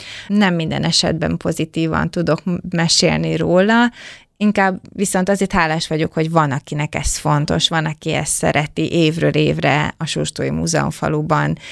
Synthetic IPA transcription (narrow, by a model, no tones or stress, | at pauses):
nɛmːind̪ɛ̰nɛʃɛ̰d̪̚bɛ̰mpo̞zit̪iːvɒ̰nt̪ud̪o̞kmɛʃḛːlniroːlɒ | iŋkaːbʋiso̞nt̪ɒzeːrt̪ɦaːlːaːʃʋɒɟo̞kho̞ɟvɒnɒkinɛkɛsfo̞nt̪o̞ʃʋɒnɒkiɛ̰st̪sɛ̰ɾɛt̪iʔeːvrøːleːvrɛ̰ɒʃuːrt̪oːjimṵːzɛ̰o̰ɱfɒ̰lubɒn